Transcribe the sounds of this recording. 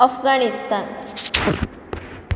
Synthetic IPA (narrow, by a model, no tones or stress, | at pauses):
əfɡanist̪ʰan